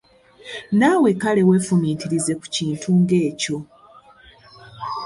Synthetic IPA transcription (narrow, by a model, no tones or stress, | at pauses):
naːwekale̞we̞ːfumiːtiɾize̞ku̥ciːntʰuŋɡe̞ːco̞